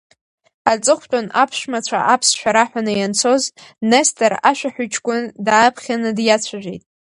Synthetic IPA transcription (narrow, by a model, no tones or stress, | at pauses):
at͡sʼɨχʷt͡pʷʼanʔapʰʂmat͡ɕʷʰa̰ʔapʰsʃᶣaɾaħʷᶣanɨjant͡sʰo̞znestʰʼaɾaʃᶣaħʏt͡ʃʰkʷʼʊndaːpʰχʲanɨdjat͡ɕʷʰaʒʷᶣejtʼ